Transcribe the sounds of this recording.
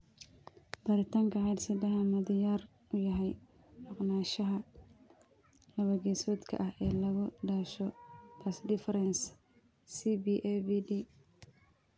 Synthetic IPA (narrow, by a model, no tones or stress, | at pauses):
b̥ɐɾɪt̪ʰaːŋkʰɐʕɛjd̪sɪd̪ɐɦɐmɐd̪ɪjaːr | ʊjɐɦɛj | mʊqnaːʃɐɦɐ | lɐβɐɡɛːsɔːd̪kʰɐ̰ʔɐhɛːlɐɣʊɖaːʃɔt̪ʰɐsdɪfɐɾɛns | sibiʔɛbidi